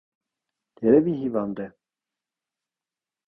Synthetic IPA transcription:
t̪ɛɾɛbiɦivɑnd̪ɛ

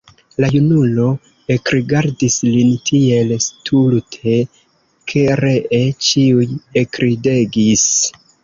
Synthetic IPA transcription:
lajunulo̞ | ekɾiɡaɾdislintʰie̞lstʰultʰe̞ | kʰe̞ɾe̞ʔet͡ʃiujekɾide̞ɡis

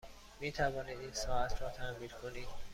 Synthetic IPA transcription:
miːt̪ʰævɒːniːd̪iːnsɒːæt̪ʰɾɒːt̪ʰæmiːɾkʰoniːd̪̥

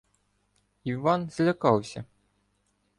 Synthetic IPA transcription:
iʋɑnz̥lʲɐkɑwsʲɐ

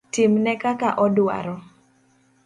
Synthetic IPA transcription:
timnɛkakaʔɔdwa̰ɾɔ

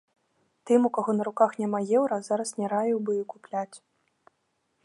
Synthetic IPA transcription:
t̪ɨmukaɣɔnɐɾukaxnʲamajɛwɾɐzaɾɐsnʲɛɾavʲiwbɨikuplʲat͡sʲ

